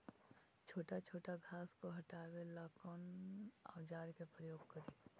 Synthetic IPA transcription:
t͡ʃʰoːʈat͡ʃʰoːʈaɡʱaːskoɦɐʈaːwelaːkona̰ʋd͡ʒaːɾkepɾəjoːɡ̚kəɾiː

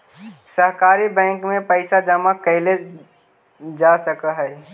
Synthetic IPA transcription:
səɦkaːɾibɛ̃ːŋkmẽpəɪsad͡ʒəmakɐɪle | d͡ʒaːsəkaɦɛː

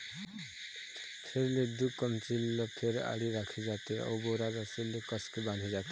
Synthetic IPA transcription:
pʰeɾled̪ukːəmt͡silːɔpʰeɾa̰ɽiɾakʰid͡zat̪eɔ̰wboɾad͡zasilːekəskibãnd̪ʱid͡zat̪e

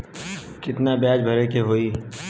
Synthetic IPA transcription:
kɪt̪nabjaːd͡ʒbʱɐɾekeɦoːiː

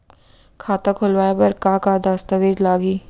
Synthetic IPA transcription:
kʰaːt̪akʰʊlʋaːjapɐɾkaːkaːd̪ast̪əʋeːd͡ʒlaːɡiː

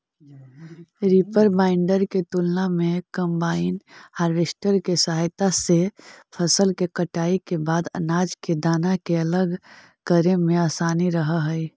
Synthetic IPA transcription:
ɾipəɾbãːɪ̃ɳɖəɾket̪ulnamẽkəmbaːɪnhaːɾʋeːsʈəɾkesəɦaːjt̪asepʰəsəlkekəʈaːikebaːd̪ə̰naːd͡ʒked̪aːnakeələɡ | kəɾemẽaːsaːniɾəɦəɦəɪ

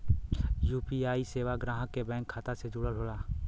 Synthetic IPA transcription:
juːpiaːiseːʋaɡɾãːɦəkːebɛ̃ːŋkʰːaːt̪ased͡ʒʊɽəlɦoːlaː

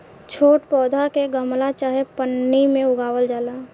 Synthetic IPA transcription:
t͡ʃʰoːʈpɔːd̪ʱakeɡəmlat͡ʃaːɦepənːimẽʊɡaːwəld͡ʒaːlaː

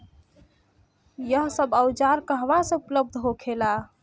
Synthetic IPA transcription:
jəɦsəbəʊd͡ʒaɾkəɦʋasə̃upləb̚d̪ʱɦokʰela

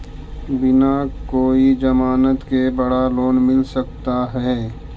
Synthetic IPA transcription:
bɪnakoːid͡ʒɐmaːnət̪kebɐɽaloːnmɪlsəkt̪aɦɛː

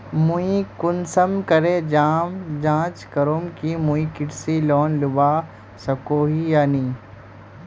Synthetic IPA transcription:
muikʊnsəmkɐɾed͡ʒaːmd͡ʒãːt͡ʃkɐɾomkimuĩkɪʈsilɔːnlʊbaː | sɐkoːɦijaːniː

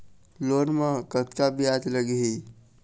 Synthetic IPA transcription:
loːnmãkət̪kabʱiat̪ləɡɦi

